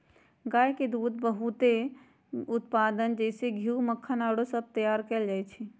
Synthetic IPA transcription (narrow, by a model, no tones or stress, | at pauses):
ɡajked̪ud̪bəɦut̪e | ʊt̪pad̪ənd͡ʒɛɪseɡʱiuməkʰːənaɽosəb̚t̪əjaɾkɛld͡ʒajt͡ʃʰɛ